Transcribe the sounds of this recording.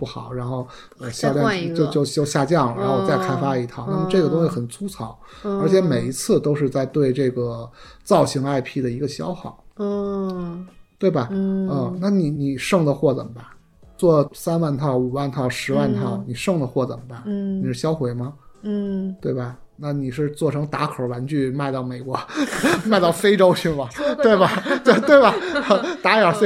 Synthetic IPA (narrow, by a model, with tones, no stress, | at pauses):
pu˥˩xɑ˨˩˦ʊɻa˧˥nxo˥˧ʊ | ə˧ɕjɑ˥ljɑ˥˧˥t͡ɕjo˥˧t͡ɕjo˥˧ʊɕjo˥˧ʊɕja˥˧t͡ɕjɑ˥˩ŋɻa˧˥nxo˥˧ʊt͡sa˥˧ɪkʰa˥ɪfa˥i˧˥t̪ʰɑ˥˩ʊna˥˩mə˧ʈ͡ʂɤ˥˩ɡə˩t̪ʊ˥ŋɕi˧˩xə˨˩nt͡sʰu˥t͡sʰɑ˨˩˦ʊ | ə˞˧˥t͡ɕʰjɛ˧˥me˨˩ɪi˧˥t͡sʰɹ̩˥˩t̪o˥ʊʂ̬ɻ̩˥˧t͡sa˥˧ɪt̪we˥˧ɪʈ͡ʂɤ˥˩ɡə˩t͡sɑ˥˩ʊɕi˧˥ŋa˥˧ɪpʰi˥˩d̪ə˩i˧˥ɡə˧ɕjɑ˥ʊxɑ˨˩˦ʊ | t̪we˥˩ɪbɐ˩ə˥˧na˥˩ni˧˩ni˨˩ʂɤ˥˩ŋd̪ə˨xwɔ˥˩t͡sə̰˨˩ŋbɐ˦ | t͡swɔ˥˩sa˥nwa˥˧nt̪ʰɑ˥˩ʊu˨˩wa˥˧nt̪ʰɑ˥˩ʊʂɻ̩˧˥wa˥˧nt̪ʰɑ˥˩ʊni˨˩ʂɤ˥˩ŋd̪ə˩xwɔ˥˩t͡sə̰˨˩ŋbɐ˦ni˨˩ʂɻ̩˥˩ɕjɑ˥ʊxwe˧˥ɪmɐ˧˥˩ | t̪we˥˩ɪbɐ˨˩ | na˥˩ni˨˩ʂɻ̩˥˧t͡swɔ˥˩ʈ͡ʂʰɤ˧˥ŋt̪a˧˥kʰo˨˩ʊwa˧˥nt͡ɕʰy˥˧ma˥˧ɪt̪ɑ˥˩ʊme˨˩ɪkwɔ˧˥ma˥˧ɪt̪ɑ˥˩ʊfe˥ɪʈ͡ʂo˥ʊt͡ɕʰy˥˩mɐ˩twe˥˩ɪbɐ˨˩t̪we˥˧ɪt̪we˥˩ɪbɐ˩˧t̪a˧˥jɑ˨˩se˥